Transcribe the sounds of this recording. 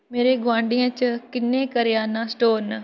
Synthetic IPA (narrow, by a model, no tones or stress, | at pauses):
meːɾeːɡʊʋãːɳɖijãːt͡ʃəkɪnːẽːkəɾɪjaːnãːsʈoːn